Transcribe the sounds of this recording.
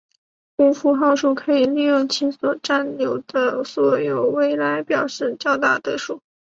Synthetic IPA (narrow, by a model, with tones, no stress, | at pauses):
u˥fu˧˥xɑ˥˧ʊʂu˥˩kʰɤ˧˥i˨˩li˥˧jʊ˥˩ŋt͡ɕʰi˧˥swɔ˨˩ʈ͡ʂa˥˩nljo˧˥ʊd̪ə˧swɔ˨˩jo˧˩ʊwe˥ɪla˧˥ɪpjɑ˨˩ʊʂɻ̩˥˧t͡ɕjɑ˥˧ʊt̪a˥˩t̪ɤ˧˥ʂu˥˩˦